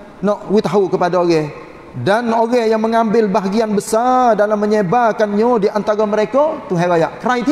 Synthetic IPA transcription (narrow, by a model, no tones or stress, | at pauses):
nɔʔwɪt̪aɦaukəpadaoɡɛ | danoɡɛjaŋməŋambɪlbaɦaɡianbəsardalamːəɲebakanɲodiant̪aɾaməɾekat̪uɦaɾajaʔkɾajt̪